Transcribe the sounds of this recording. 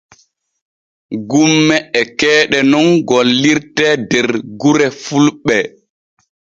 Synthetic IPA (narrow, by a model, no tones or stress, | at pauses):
ɡumːɛɛkɛːɗɛnɔnɡɔlːiɾtɛdɛɾɡuɾɛfulɓɛ